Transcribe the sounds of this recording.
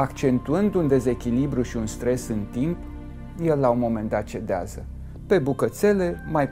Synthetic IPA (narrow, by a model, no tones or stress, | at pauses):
akt͡ʃe̞nt̪uɨnd̪und̪e̞ze̞kʲilibɾjuʃiunst̪ɾe̞sɨnt̪imp | je̞lːaunmo̞me̞nd̪at̪̚t͡ʃe̞d̪ea̰zə | pe̞bukət̪se̞le̞maj